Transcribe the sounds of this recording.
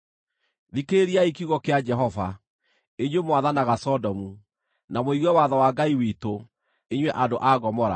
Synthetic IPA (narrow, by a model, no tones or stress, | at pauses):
ðikeɾiaikiuɣɔkead͡ʒɛɦɔva | eɲwemowaðanaɣasɔdɔmu | namoiɣwɛwaðɔwaɡaiwito | eɲwɛʔadoʔaɣɔmɔɾa̰